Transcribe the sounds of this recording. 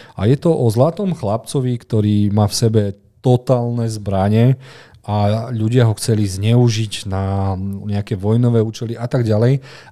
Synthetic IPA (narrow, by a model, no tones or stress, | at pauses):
a̰jɛt̪ɔʔɔzlat̪ɔmxlap̚t͡sɔʋikt̪ɔɾiːmaːfsɛbɛ | t̪ɔt̪aːlnɛzbɾaɲɛ | ʔaʎuɟɪaɦɔxt͡sɛlizɲɛuʒiɟnaɲɛakɛʋɔjnɔʋɛːuːt͡ʃɛliʔat̪aɡɟalɛj